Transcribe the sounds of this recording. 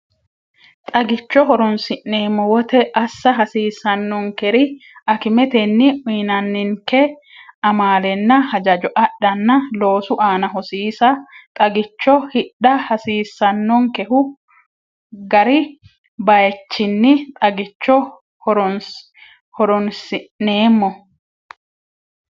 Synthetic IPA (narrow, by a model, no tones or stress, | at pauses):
t̪ʼɐɡɪt͡ʃːɔɦɔɾɔnsɪnːeːmːɔwɔt̪ɛʔɐsːɐɦɐsiːsɐnːɔŋkɛɾɪɐkɪmɛt̪ɛnːɪʔʊjnɐnːɪŋkɛ | ɐmaːlɛnːɐhɐd͡ʒɐd͡ʒɔʔɐɗɐnːɐlo̞ːsʊʔaːnɐɦɔsiːsɐt̪ʼɐɡɪt͡ʃːɔhɪɗɐhɐsiːsːɐnːɔŋkɛhʊ | ɡɐɾɪ | bɐjt͡ʃːɪnːɪt̪ʼɐɡɪt͡ʃːɔ | hɔɾɔ | hɔɾɔnsɪnːeːmːɔ